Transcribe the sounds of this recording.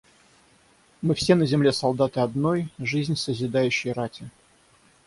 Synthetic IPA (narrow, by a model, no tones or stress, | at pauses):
mɨfsʲe̞nəzʲɪmlʲe̞sɐlˠd̪at̪ɨɐd̪nojʐɨzʲnʲsəzʲɪd̪ajʉɕːɪjɾatʲɪ